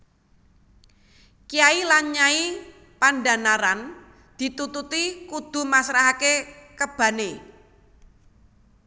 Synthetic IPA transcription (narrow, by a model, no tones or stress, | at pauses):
kijailaɲai | panda̤naɾan | d̪̥i̤t̪ut̪ut̪ikud̪̥ṳmasɾaɦakekəb̥ä̤ne